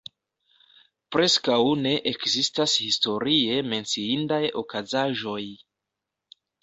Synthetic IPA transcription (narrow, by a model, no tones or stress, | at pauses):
pɾe̞skawne̞ʔekzistashisto̞ɾie̞me̞nt͡siindajo̞kazaʒo̞j